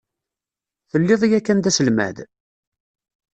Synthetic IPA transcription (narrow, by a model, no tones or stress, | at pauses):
θəlːɪðˤijækːænd̪æsəlmæ̰ð